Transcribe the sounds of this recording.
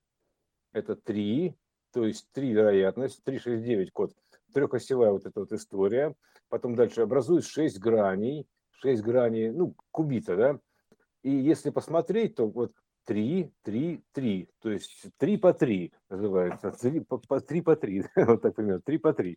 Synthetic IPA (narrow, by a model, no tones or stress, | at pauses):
ɛt̪ət̪ɾʲi | t̪ojɪsʲtʲt̪ɾʲivʲɪɾɐjat̪nəsʲtʲt̪ɾʲiʂɛsʲt̚ʲdʲevʲɪtʲko̞t̪ | t̪ɾʲoxəsʲɪvajəvo̞t̪ɛt̪əvo̞t̪ɨst̪o̞ɾʲɪjə | pɐt̪o̞md̪alʲʂɨɐbɾɐzujɪt̪ʂɛsʲtʲɡɾanʲɪj | ʂɛsʲt̚ʲɡɾanʲɪjnu | kʊbʲit̪əd̪a | ijesʲlʲɪpəsmɐt̪ɾʲet̚ʲt̪o̞vo̞t̪ː | ɾʲit̪ɾʲit̪ɾʲit̪o̞jɪsʲtʲt̪ɾʲipɐt̪ɾʲinəzɨvajɪt̪sət̪ɾʲipəpɐt̪ɾʲipɐt̪ɾʲid̪avot̪ːak̚pɾʲɪmʲert̪ɾʲipɐt̪ɾʲi